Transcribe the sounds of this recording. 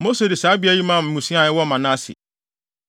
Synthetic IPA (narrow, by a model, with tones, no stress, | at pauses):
mo˦se˨dɪ˨saː˨˦bi˦æ˦˨ji˦mã˦˨m̩˨mũ˨sĩ˦ã˨ɪ˦wɔ˦mã˨nã˦sɪ̰˨